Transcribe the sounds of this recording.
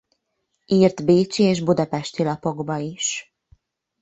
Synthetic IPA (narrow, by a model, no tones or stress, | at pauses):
ʔiːrt̪beːt͡ʃieːʒbud̪ɒpɛʃt̪ilɒpo̞ɡbɒiʃ